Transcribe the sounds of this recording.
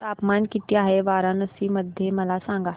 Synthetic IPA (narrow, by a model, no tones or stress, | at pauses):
t̪aːpmaːnkɪt̪jaːɦɛʋaːɾãnɐsimɐd̪ʱjemɐlaːsãːŋɡaː